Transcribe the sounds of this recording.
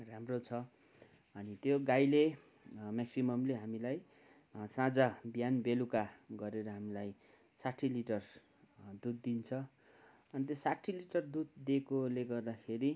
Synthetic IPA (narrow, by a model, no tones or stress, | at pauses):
ramrot͡sʰʌ | ʌnit̪joɡajle | maksimʌmleɦamilaj | sãd͡zabjanbelukaɡʌɾeɾʌɦamilaj | saʈʰːiliʈʌr | d̪ud̪ːint͡sʰʌ | ʌnit̪̬josaʈʰːiliʈʌrd̪ud̪̚d̪ekoleɡʌrd̪akʰeɾi